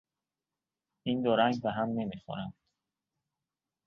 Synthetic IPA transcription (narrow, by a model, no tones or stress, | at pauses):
ind̪oɾæŋɡbeɦæmnemixo̰ɾæmd̪̥